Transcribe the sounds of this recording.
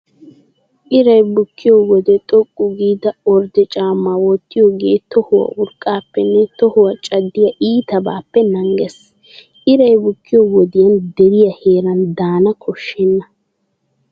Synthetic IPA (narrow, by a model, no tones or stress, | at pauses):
ʔɪɾɐjbʊkːɪjɔwɔd̪ɛt̪ʼɔkʼːʊɡiːd̪ɐɔɾd̪ɛt͡ʃʼaːmːawɔt̪ːɪjɔɡeːt̪ɔhʊwɐ̰ʔʊɾkʼːaːpːɛnːɛt̪ɔhʊwɐt͡ʃʼɐd̪ːɪjɐʔiːt̪ɐbaːpːɛnɐŋɡɛs | ʔɪɾɐjbʊkːɪjɔwɔd̪ɪjɐnd̪ɛɾɪjɐheːɾɐnd̪aːnɐkʰɔʃːɛnːɐ